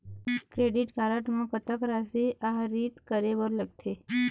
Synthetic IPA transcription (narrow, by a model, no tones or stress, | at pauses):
kɾeɖiʈkaɾəʈmãpət̪əkɾasiʔaɦɾit̪kəɾebəɾləɡ̚t̪ʰe